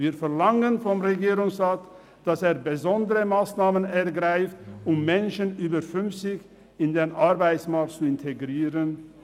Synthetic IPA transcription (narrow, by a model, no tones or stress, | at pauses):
viːfɛɐlaŋənfɔmʁeɡiːʁʊŋsʁaːt | d̥aseːɐbəzɔndəʁəmaːsnaːmənɛɐɡʁaɪftʊmːɛnʃənʔyːbɐfʏnft͡sɪç | ɪndeːnʔaʁbaɪt͡ssmaɐk̚tt͡suɪntʰeɡʁiːʁən